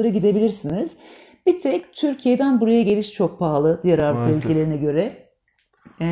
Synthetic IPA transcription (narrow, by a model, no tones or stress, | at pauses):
aɾɯɟid̪e̞bilʲiɾsiniz̥ | b̥it̪ʰɛct̪ʰyɾcʰije̞d̪ænbuɾajaɟe̞lʲiʃt͡ʃʰo̞k̚pʰaːlˠɯd̪ijæɾaɾkɯølʲɟelʲe̞ɾinɛɟø̞ɾɛ